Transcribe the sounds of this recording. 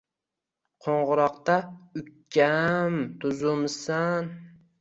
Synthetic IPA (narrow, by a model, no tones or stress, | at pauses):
qʰoɴʁʊɾɑqt̪aʊkʲʰːamt̪ʰʊzʊmsan